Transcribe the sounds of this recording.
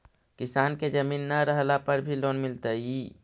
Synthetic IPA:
kɪsaːnked͡ʒəmiːnːaɾəɦlapəɾbʱiloːnmɪlt̪ai

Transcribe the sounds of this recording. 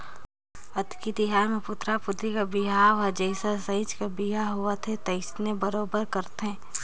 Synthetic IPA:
ɐt̪kid̪ɪɦaːmẽpʊt̪ɾapʊd̪ɾikabɪɦaʋad͡ʒɛːsasɐɪt͡ʃkabɪɦaɦʊat̪ʰet̪ɐɪsnebɐɾoːbəɾkɐɾt̪eɦɛ̃ː

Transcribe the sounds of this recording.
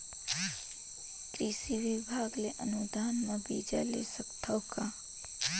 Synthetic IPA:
kɾiʃiʋibʱaɡleʔənud̪ʱaːnmãbid͡ʒa̰lḛsəkt̪ʰəwka

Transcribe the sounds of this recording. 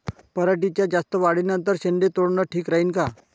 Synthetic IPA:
pəɾəʈ̬it͡ɕjad͡ʑast̪əʋaɽinənt̪̬əɾɕend̪et̪oɽɳəʈʰiːkɾaɦiːnka

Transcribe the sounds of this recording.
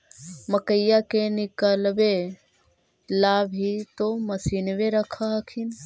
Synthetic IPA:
məkəjakenɪkəlʋe | laːbʱit̪oməsiːnʋeɾəkʰaɦkʰin

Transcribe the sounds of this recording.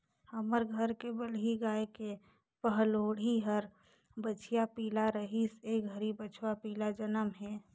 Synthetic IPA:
həməɾɡʱəɾkebəlɦiɡaːeke | pəɦloːɽiɦəɾ | bət͡ʃʰijapiːlaɾəɦiseɡʱəɾibət͡ʃʰwapiːlad͡ʒənəmɦɛː

